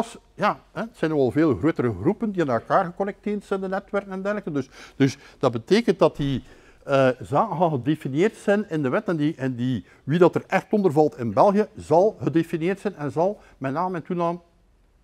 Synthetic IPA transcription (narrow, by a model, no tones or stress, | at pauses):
s | jaːɦɛətsɛjnɔɣɑlˠveːlɣroːtəɾəɣrupəndiaːnɛlˠkaːrɣəkɔnɛk̚teːrtsɛndənɛtwɛrkənɛndɛrləkəndɵsd̥ɵsd̥ɑd̚bəteːkənt̚dɑti | əzaːkəɦɑlˠɣədefinjeːrtsɛjnɪndəʋɛtɛndiɛndi | ʋidɑtərɛxtɔndərvɑlˠtʰɪnbɛlˠɣijəzɑlˠɣədefinjeːrtsɛjnɛnzɑlˠ | mɛtnaːməɛntunaːm